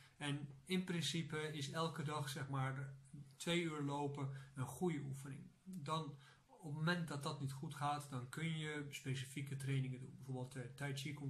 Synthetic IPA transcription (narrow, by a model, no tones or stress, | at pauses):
ɛnɪnprɪnsipəɪsɛlˠkədɑχsɛχmaːɹtʋejyːɹlowpəənχujəufənɪ̰ŋ | dɑn | ɔpmomɛnt̚dɑt̚dɑtnitχutχaːtdɑnkɵnjəspejsifikətrejnɪŋədṵnbɛvoɹbəlˠttɛjtsiko